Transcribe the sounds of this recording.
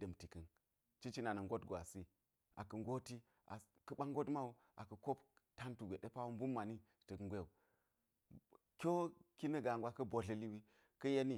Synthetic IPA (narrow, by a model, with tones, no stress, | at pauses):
dɐ˨mti˨kɐ˨n | t͡ʃi˦t͡ʃi˦na˨nɐ˨ŋɡo˦tɡʷa̰˨si˦ | a̰˨kɐ˨ŋɡo˦ti˦ | a̰˨ | kɐ˦ɓa˦ŋɡo˦tma˦wu˦ | ʔa˨kɐ˨ko˦p | ta˦ntu˨ɡʷe˨ɗe˦pa˦wu˦m˦bu˦mːa˨ni˦˨tə˨kŋ˦ɡʷe˦u˨ | kʲo˦ki˦nɐ˦ɡa˨ŋɡʷwa˦kɐ˦bo˨ɮɐ˦li˦wi˦ | kɐ˦je˦ni˦